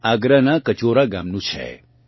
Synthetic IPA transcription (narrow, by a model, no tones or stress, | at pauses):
aːɡɾanakət͡ʃoɾaɡaːmnũt͡ʃʰɛ̰